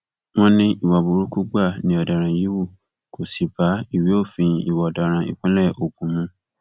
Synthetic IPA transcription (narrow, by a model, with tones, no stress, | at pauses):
w̃ɔ̃˦nĩ˧i˨wa˨bu˨ɾu˦ku˦ɡ͡ba˦˨nĩ˨˦ɔ˧˨da˨ɾ̃ã˨ji˨˦wu˦˨ | ko˨si˨ba˨˦i˦˨wi˨˦o˦˨fĩ˧i˨wɔ˨ɔ˨da˨ɾ̃ã˧˨ḭ˨k͡pã˦lɛ˦˨ʔo˨ɡũ˨mũ˧˦